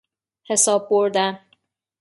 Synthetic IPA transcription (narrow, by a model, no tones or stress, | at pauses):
he̞sɒːb̚ːoɾd̪æn